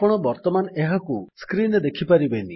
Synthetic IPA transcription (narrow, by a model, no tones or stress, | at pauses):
pɔɽ̃ɔbɔɾt̪ɔmaneɦakuskɾinɔd̪ekʰipaɾibeni